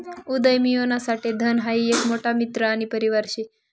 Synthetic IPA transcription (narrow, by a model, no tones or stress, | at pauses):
ud̪əjmijonasaʈed̪ʱənɦaiːekmoʈamit̪ɾəaɽ̃ipəɾiʋaɾɕe